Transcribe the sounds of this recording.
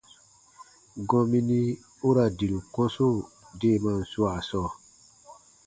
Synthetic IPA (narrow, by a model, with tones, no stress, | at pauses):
ɡɔ̃˧mi˦ni˦ | o˦ɾa˨di˨lu˨kɔ̃˦so˦˨ | de˦˨mã˦˨n̩˨su˦a˨sɔ˦˨